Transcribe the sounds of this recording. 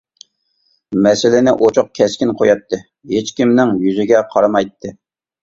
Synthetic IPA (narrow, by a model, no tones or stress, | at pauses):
mɛsɪlɪnɪʔot͡ʃʰʊq̚kʲʰɛskʲinqʰojɑt̪ʰːɨ | het͡ʃkʲimnɪŋjyzɪɡʲɛqʰɑɾɑmɑjt̪ʰːɨ